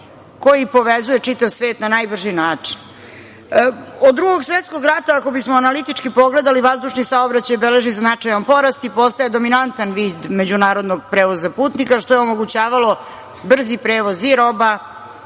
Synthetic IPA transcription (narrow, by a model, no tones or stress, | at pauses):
ko̞jipo̞ʋezuje̞t͡ʂit̪aʋsʋeːt̪nanajbr̩ʒinaːt͡ʂin | od̪dːɾuɡo̞ɡsʋet̪skoɡɾat̪aako̞bismoanalit̪it͡ʂkipo̞ɡle̞d̪aliʋazd̪uʂnisaobɾat͡ɕajbele̞ʒiznat͡ʂajompo̞ɾast̪ipo̞st̪ajed̪o̞minant̪anʋiːd̪me̞d͡ʑunaːɾo̞d̪noɡ̚pɾeːʋozapuːt̪nikaʃt̪o̞jeomoɡut͡ɕaːʋalo̞ | br̩zipɾeːʋoziɾoba